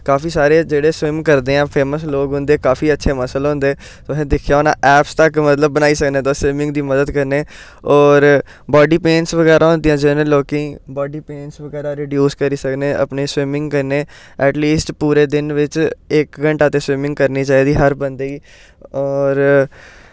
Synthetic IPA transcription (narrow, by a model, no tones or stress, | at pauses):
kaːpʰiːsaːɾeːd͡ʒeːɽeːswɪmkəɾd̪eːãːpʰeːməsloːkɦʊ̃nd̪eːkaːfiːətːʃʰeːməslɦʊ̃nd̪eː | soːɦẽːd̪ɪkʰjaːonã̰ːʔɛːpst̪əkmət̪ləbːənaːiːsəknẽːt̪ãːswɪmɪ̃ŋɡd̪iːməd̪əd̪kəɾneː | ɔːɾ | bɔːɖiːpeːnsʋəɡɛːɾʔãːɦʊ̃nd̪ɪjãːd͡ʒɪnẽːloːkĩːbɔːɖiːpeːnsʋəɡɛːɾaːɾeːɖjuːskəɾiːsəkneːʔə̰pneːswɪmɪ̃ŋɡkəɾneː | ɛːʈliːsʈpuːɾeːd̪ɪnʋɪt͡ʃɪkɡəɳʈaːt̪eːswɪmɪ̃ŋɡkəɾniːt͡ʃaːiːd̪iːɦəɾbənd̪eːiː | ɔːɾ